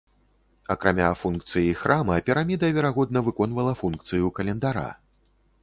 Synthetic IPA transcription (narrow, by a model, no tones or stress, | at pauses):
ɐkɾa̰mʲa̰funk̚t̪sɨjixɾʔamɐpʲiɾamʲid̪ɐvʲɛɾaɣɔd̪̚nɐvɨkɔnvɐlˠɐfunkt̪sɨjukɐlʲɛnd̪aɾa̰